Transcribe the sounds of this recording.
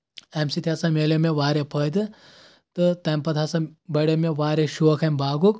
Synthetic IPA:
emsit̪ʰʲjasɐmeːlemeʋaːɾepəd̪ɨ | t̪ɨt̪ɐmpɐt̪ʰasɐbɐɽemeʋaːɾeʃuʋɐkʰɐmbaːɡuk

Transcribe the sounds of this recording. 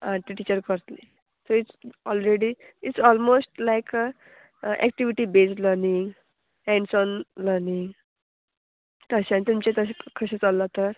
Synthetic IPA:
aʈiʈit͡ɕəɾkəɾt̪le | soiʈsɔlɾeɽi | iʈsɔlmosʈlajk | ʔɛ̰k̚ʈiʋiʈibesʈləɾniŋɡ | hɛ̃ɳɖsɔnləɾniŋɡ | t̪əɕãnt̪umt͡ɕẽt̪əsekʰəɕẽt͡salːət̪əɾ

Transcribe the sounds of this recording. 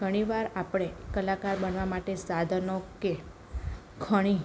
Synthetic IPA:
ɡʱəɽ̃iʋaɾapɽ̃ekəlakaɾbənʋamaʈesad̪ʱənoke | ɡʰʱəɽ̃i

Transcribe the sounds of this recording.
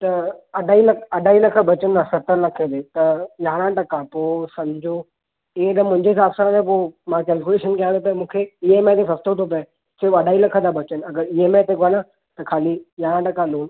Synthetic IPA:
t̪ɐɐɖʱaːilɐkʰɐɖʱaːilɐkʰə̆bɐt͡ɕənnasɐt̪əɾlɐkʰed̪et̪ɐjaːɽ̃ãʈɐkãpoːsɐ̃md͡ʑʱo | ɪɦẽt̪ɐmʊ̃ɦɪ̃ɲd͡ʑeɪsaːbsəɾãːnẽpomãkɛːlk̬ʲuleʃənkijãːd̪op̬imũːkʰeiɦemẽt̪esɐst̪ʰot̪ʰop̬ | sɪɾbɐɖʱaːilɐkʰət̪ʰabɐt͡ɕənɪ̆ɐɡəɾiɦemẽt̪ʰekonã | t̪ɐkʰaːlijaːɽ̃ãʈɐkãloːn

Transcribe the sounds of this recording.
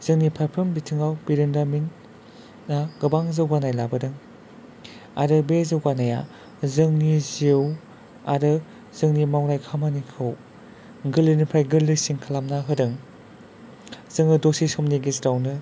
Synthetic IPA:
z̥ɯŋnipʰajpʰɾɯmbitʰɯŋawbiɾɯndaminː | aɡ̥ɯbaŋzɯwɡanajlabɯdɯŋ | a̰ɾɯbezɯwɡanaja̰ | zɯŋnizew | aɾɯ | z̥ɯŋnimawnajkʰamanikʰɯw | ɡɯlːɯnɯpʰɾajɡɯlːɯsiŋkʰalamnaɦɯdɯŋ | z̥ɯŋɯdosisɔmniɡisɾawnɯ

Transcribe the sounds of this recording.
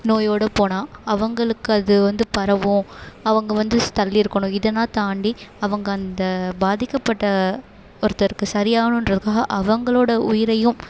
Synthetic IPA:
noːjoːɽɐpoːnãːɐʋɐŋɡɐɭɯkːɯɐðɯʋɐnd̪ɯpɐɾɐʋõɐʋɐŋɡɐʋɐnd̪ɯt̪ɐlːiɪɾɯkːɐɳʊ̃ɪðɐnːaːt̪aːɳɖiɐʋɐŋɡɐːnd̪ɐbaːðɪkːɐpːɐʈːɐ | ɔɾɯt̪ːɐɾɯkːɯsɐɾɪjaːɣɐɳʊ̃ɪnrɐðɯkːaːɣɐʔɐʋɐŋɡɐɭoːɽɐʊjɪɾɐjɯ̃m

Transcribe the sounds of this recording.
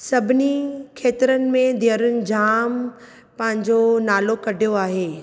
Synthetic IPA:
sɐbʱɪnikʰeːt̪ɾənɪ̆mẽd̪eəɾʊnɪ̆d͡ʑaːm | pɐ̃ɦɪ̃ɲd͡ʑonaːlokɐɖʱijoaːɦeː

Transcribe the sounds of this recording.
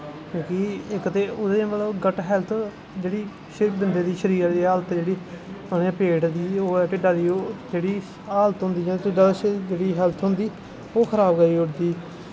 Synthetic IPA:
kjõːkiɪkt̪eːʊd̪emət̪ləbɡəʈɦɛlt̪ʰ | d͡ʒeːɽiː | ʃbɪnd̪eːd̪iːʃəɾiːəɾd̪iːaːlət̪d͡ʒeːɽiː | ənẽpeːʈd̪iːoːɛːʈɪɖaːd̪iːoːd͡ʒeːɽiː | aːlət̪ɦʊ̃nd̪iːd͡ʒãːʈɪɖaːd̪aːd͡ʒeːɽiːɦɛlt̪ʰɦʊ̃nd̪iː | oːkʰəɾaːbɡəɾiːʊɽd̪iː

